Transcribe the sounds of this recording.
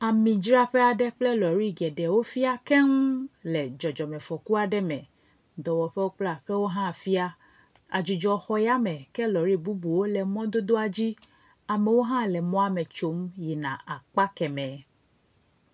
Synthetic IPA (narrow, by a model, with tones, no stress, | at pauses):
a˨mĩ˨d͡ʒɾa˦ɸɛ˦a˨ɖɛ˦k͡plɛ˦lɔ˨ɾi˦ɡɛ˨ɖɛ˨wo˦fi˦a˦kɛ˦ŋ̩˦lɛ˨d͡ʒɔ˨d͡ʒɔ˨mɛ̃˨fɔ˨ku˦a˨ɖɛ˦mɛ̃˨ | d̪ɔ˨wɔ˨ɸɛ˦wo˦k͡pla˦˨ɸɛ˦wo˦ɦã˦˨fi˦a˦ | a̰˨d͡ʒu˨d͡ʒɔ˨xɔ˦ja˦mɛ̃˨kɛ˦lɔ˨ɾi˦˨bu˦bu˨wo˦lɛ˨mɔ̃˦d̪o˦d̪o˦a˨d͡ʑi˦ | a˨mɛ˨wo˦ɦã˦lɛ˨mɔ̃˦a˦mɛ̃˨t͡ʃo˨˦mji˨nã˨a˨k͡pa˦kɛ˨mɛ̃˨